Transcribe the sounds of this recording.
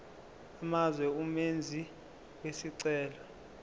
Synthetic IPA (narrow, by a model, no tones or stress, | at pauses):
amazwɛumend͡zʱi | wesiǀɛːlɔ